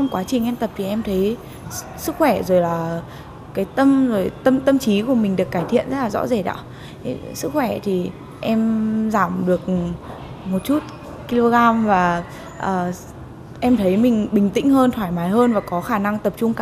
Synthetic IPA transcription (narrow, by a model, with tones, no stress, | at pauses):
ə˧ŋ͡mkwaː˨˦t͡ɕï˨˩ŋʔɛ˧mt̪ə˨˩p̚t̪i˨˩ʔɛ˧mt̪ʰə˨˦j | sɨ˦˥k̚xwɛ˧˩zo˨˩jlaː˨˩ | kaː˨˦jt̪ə˧mzo˨˩jt̪ə˧mt̪ə˧mt͡ɕi˨˦ku˧˩əmï˨˩ŋ̟ɗɨ˨˩əkːaː˧˩jt̪ʰḭ˧˨ənzə˦˥t̚laː˨˩zɔ̰˧˥ze˨˩ɗa̰˧˥˨ | sɨ˦˥k̚xwɛ˧˩t̪ʰi˨˩ | ʔɛ˧mzaː˧˩mɗɨ˨˩ək̚ | mo˨˩t̚t͡ɕu˦˥t̚ | ki˧lo˧ɣaː˧mvaː˨˩ | ʔəː˨˩ | ʔɛ˧mt̪ʰə˨˦jmï˨˩ŋ̟ɓï˨˩ŋ̟t̪ḭ˧˥ŋ̟ɦəː˧nt̪ʰwaː˧˩jmaː˨˦jɦəː˧nvaː˨˩kɔ˨˦xaː˧˩na˧ŋt̪ə˨˩p̚t͡ɕʊ˧ŋ͡mka˧